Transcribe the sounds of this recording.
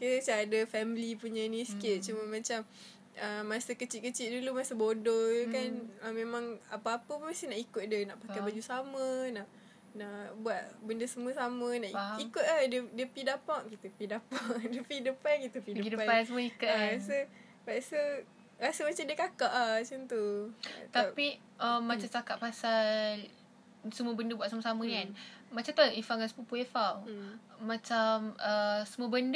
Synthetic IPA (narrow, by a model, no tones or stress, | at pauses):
kit̪saadəfɛmilipuɲənĩsə̥kɪʔ̪̚t͡ʃuməmãt͡ʃam | əːasəkət͡ʃit̪̚kət͡ʃit̪ʔ̚dulumasəbodɔkanəmẽmãŋapaapəmast̪inaʔikʊt̪̚diənaʔpakajbad͡ʒusamənaʔ | naʔbuat̪̚bəndəsəməsamənaʔikʊt̪̚ahdiədiəpidapaʔkit̪əpidapaŋdəpidəpakit̪əpipədəɡidəpasəmuəikuʔ̚aɾasə | baʔsə | ɾasəmat͡ʃamdiəkakaʔat͡ʃunt̪ṵt̪api | ʔəmːat͡ʃamt͡ʃakaʔpasal | səmuəbəndəbuat̪ʔ̚saməsamə̃nianmat͡ʃamt̪aifaŋansəmupuefal | mãt͡ʃaməsəmuəbənd